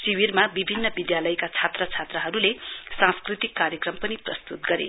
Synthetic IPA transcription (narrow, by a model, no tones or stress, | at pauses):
siwirmabibʱinːʌbid̪jalʌjkat͡sʰat̪rʌt͡sʰat̪rʌɦʌɾulesãskrit̪ikːaɾjekrʌmpʌniprʌst̪ut̪̚ɡʌɾḛ